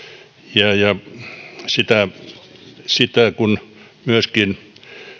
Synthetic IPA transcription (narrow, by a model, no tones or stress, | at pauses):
jɑjɑ | sit̪æ | sit̪ækun | myøskin